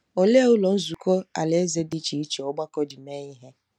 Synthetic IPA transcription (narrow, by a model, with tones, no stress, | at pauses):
o˨le˦ʊ˦lɔ˨n̩˦zu˨kɔ˦a̰˨le˦e˦ze˦di˦t͡ʃi˨i˦t͡ʃe˨ɔ˨ɡ͡ba˦kɔ˦d͡ʒi˨me˦ɲɪ˦ɦe˦